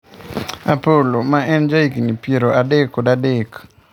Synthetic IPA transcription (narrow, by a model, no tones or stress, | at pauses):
a̰polomaʔɛnd͡ʒaikinipjeɾoadekːɔdadek